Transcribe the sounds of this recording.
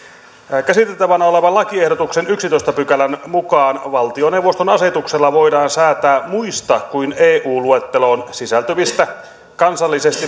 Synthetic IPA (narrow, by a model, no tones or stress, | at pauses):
kæsit̪et̪ːæʋænæoleʋɑlɑkiehdot̪uksenyksit̪oist̪ɑpykælænmukɑːnʋɑlt̪ionewʋːˑost̪onɑse̞t̪ukselːɑʋo̞idɑːnsæːt̪æːmuist̪ɑkkuineːʔuːluet̪ːeloːnsisælt̪øʋist̪æ | kɑnsɑlːisest̪i